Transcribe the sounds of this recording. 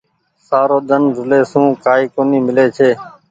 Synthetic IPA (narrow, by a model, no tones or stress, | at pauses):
saːɾoːd̪ənzʊleːsũːkaːiːkoːniːmɪleːt͡ʃʰeː